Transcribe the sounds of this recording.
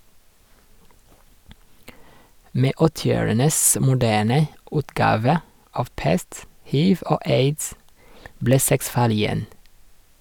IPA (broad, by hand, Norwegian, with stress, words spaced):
ˈmeː ˈɔtɪˌoːɹənəs mʊˈdæːɳə ˈʉːtˌɡɑːʋə ˈɑʋ ˈpɛst ˈhiːʋ ˈoː ˈeɪds ˈbleː ˈsɛks ˈfɑːɭ ɪˈjɛn